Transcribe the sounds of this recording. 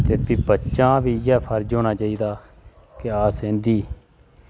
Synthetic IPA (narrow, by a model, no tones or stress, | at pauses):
t̪eːpiːbətːt͡ʃãːbiːjaːpʰəɾd͡ʒoːɽ̃aːt͡ʃaːiːd̪aː | keaːsẽːnd̪iː